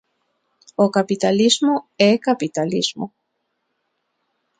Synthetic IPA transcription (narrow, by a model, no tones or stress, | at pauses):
okapit̪alizmoɛkapit̪alizmo